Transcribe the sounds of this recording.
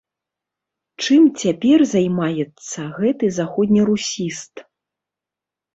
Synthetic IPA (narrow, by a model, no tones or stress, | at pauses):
t͡ʂɨmt͡sʲapʲɛrzajmajɛt̪sːɐɣɛt̪ɨzaxɔd̪ʲnʲiɾusʲist̪